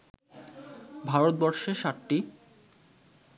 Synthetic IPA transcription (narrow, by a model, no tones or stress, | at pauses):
bʱaɾot̪̚bɔɾʃeʃaʈːi